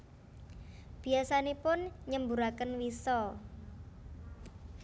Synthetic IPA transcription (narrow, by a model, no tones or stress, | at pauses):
b̥i̤asanepʊnɲəmbuɾakənwisɔ